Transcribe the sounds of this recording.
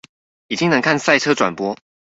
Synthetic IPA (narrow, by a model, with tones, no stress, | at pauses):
i˨˩t͡ɕi˦ŋnə˧˦ŋkʰa˥˨nsa˥˩ɪʈ͡ʂʰɤ˥ʈ͡ʂwa˨˩npwɔ˥